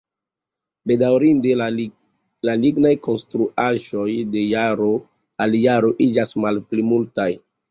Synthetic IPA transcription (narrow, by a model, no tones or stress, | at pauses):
be̞dawɾinde | laliɡnajko̞nstɾuʔaʒo̞jde̞jaɾo̞ | aljaɾo̞ʔid͡ʒasmalplimultaj